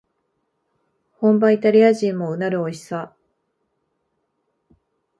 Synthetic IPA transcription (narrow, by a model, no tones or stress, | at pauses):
hõ̞mbait̪aɾʲiaʑĩmːo̞ɯ̟naɾɯ̟oi̥sa